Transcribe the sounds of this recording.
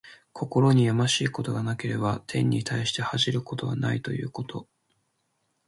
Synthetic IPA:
kʰo̞ko̞ɾo̞ɲ̟ijamaɕiːkot̪o̞ɡanake̞ɾe̞bat̪ʰẽ̞ɲ̟ːit̪ʰaiɕi̥t̪e̞haʑiɾɯ̟ko̞t̪o̞βa̰nait̪o̞̰jɯ̟̰ːko̞t̪ʰo̞

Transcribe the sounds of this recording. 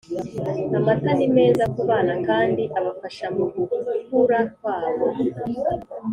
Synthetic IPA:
amatanimezakuβanakaːndiʔaβafaʃamukukuɾakwaːβo

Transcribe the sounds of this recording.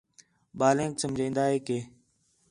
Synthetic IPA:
ɓaːlẽːksəmd͡ʒʱãĩːnd̪aːɦeːkeː

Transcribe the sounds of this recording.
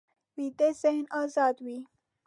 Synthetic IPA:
wiːt̪ez̥ɪhnɑːzɑːd̪wiː

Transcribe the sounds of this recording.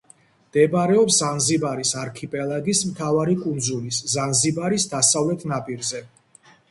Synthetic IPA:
md̪̥ɛbaɾɛɔpszanzibaɾisaɾkʰipʼɛlˠaɡismt̪ʰavaɾikʼund̪zuliszanzibaɾisd̪asavlɛt̪ʰnapʼiɾzɛ

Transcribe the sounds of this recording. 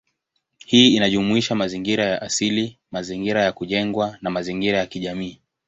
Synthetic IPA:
hiːinaʄumuiʃamaziŋɡiɾajaʔasilimaziŋɡiɾajakuʄɛŋɡwanamaziŋɡiɾajakiʄamiː

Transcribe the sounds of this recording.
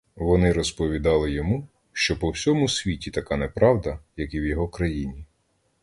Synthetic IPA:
ʋɔnɪɾɔspɔʋʲid̪ɑlˠɪjɔmu | ʃt͡ʃɔpɔwsʲɔmʊsʲʋʲitʲit̪ɐkɑnɛpɾɑwd̪ɐjɐkiwjɔɦɔkɾɐjinʲi

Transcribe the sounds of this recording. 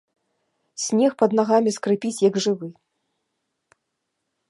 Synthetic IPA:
sʲnʲɛxpɐd̪naɣamʲiskɾɨpʲit͡sʲjɐɡʐɨvɨ

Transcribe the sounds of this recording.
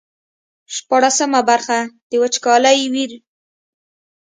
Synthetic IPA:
ʃpɑɽasəmabaɾxad̪̥əwat͡ʃkɑlajwiɾ

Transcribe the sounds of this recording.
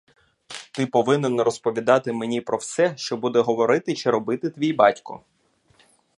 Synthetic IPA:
t̪ɪpɔʋɪnenɾɔspɔʋʲid̪ɑt̪ɪmenʲipɾɔwsɛʃt͡ʃɔbud̪ɛɦɔʋɔɾɪt̪ɪt͡ʃɪɾɔbɪt̪ɪt̪ʋʲijbɑtʲkɔ̰

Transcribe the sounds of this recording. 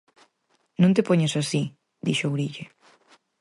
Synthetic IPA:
nũnt̪epoɲesasi | d̪iʃowɾiʎe

